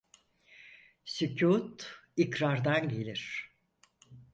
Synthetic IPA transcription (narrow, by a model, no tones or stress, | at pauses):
sycʰuːt̪ikɾaɾd̪anɟe̞lʲiɾ̥